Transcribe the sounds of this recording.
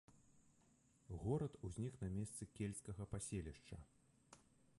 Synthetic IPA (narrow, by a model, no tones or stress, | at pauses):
ɣɔɾɐt̪uzʲnʲiknɐmʲest̪sɨkʲelʲskɐɣɐpasʲelʲiʂt͡ʂɐ̰